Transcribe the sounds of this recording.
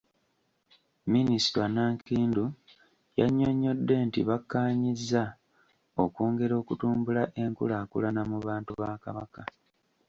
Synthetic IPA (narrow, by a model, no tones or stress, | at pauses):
minisi̥twanaːŋkiːndu | ja̰ɲːo̞ɲːo̞dːe̞ːntiβakːaːɲizːa | o̞koːŋɡe̞ɾo̞ːkutuːmbulaʔe̞ŋkṵlaːkṵlanamuβaːntuβaːkaβaka